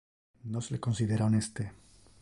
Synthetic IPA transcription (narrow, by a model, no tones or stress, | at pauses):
noseleko̞nsiðe̞ɾaonest̪e